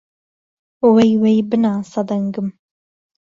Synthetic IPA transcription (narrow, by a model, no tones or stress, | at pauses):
wejwejbɨnaːsɐd̪ɐŋɡɨm